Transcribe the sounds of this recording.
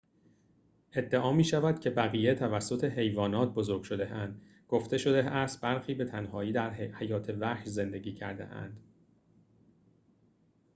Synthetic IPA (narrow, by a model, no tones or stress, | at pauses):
ʔe̞d̪ːeʔɒːmiːʃævæd̪̥cʰe̞bæɣiːjet̪ʰævæsːo̞t̪ʰe̞ɦe̞jvɒːnɒːt̪̚ʰbo̞zoɾɡ̥ʲʃod̪e̞ʔænd̪̥ | ɡ̥o̞ft̪e̞ʃo̞d̪e̞æst̪̚bæɾxiːbe̞t̪ʰænhɒːiːd̪æɾhæjɒːt̪ʰe̞væhze̞nd̪e̞ɟiːcʰæɾd̪ḛʔæ̰nd̪̥